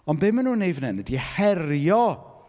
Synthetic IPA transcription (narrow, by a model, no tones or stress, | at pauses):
ɔnbɪmanuːnejvənɛnədihɛrjɔ